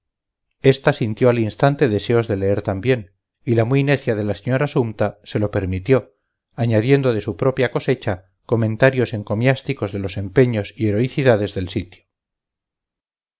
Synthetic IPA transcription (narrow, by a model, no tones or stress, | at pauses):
e̞st̪asint̪jo̞alinst̪ant̪e̞ðe̞se̞o̞zðe̞le̞eɾt̪ambje̞n | ilamwuine̞θjaðe̞laseɲo̞ɾasumt̪ase̞lo̞pe̞ɾmit̪jo̞ | aɲaðje̞nd̪o̞ð̞e̞supɾo̞pjako̞se̞t͡ʃa | ko̞mẽ̞nt̪aɾjo̞se̞ŋko̞mjast̪iko̞zðe̞lo̞se̞mpe̞ɲo̞sie̞ɾo̞iθiðaðe̞zðe̞lsit̪jo